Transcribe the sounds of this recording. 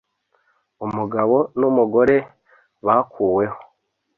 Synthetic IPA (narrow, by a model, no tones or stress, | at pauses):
umuɡaβo̞numuɡo̞ɾe̞ | βakʰuːwe̞ho̥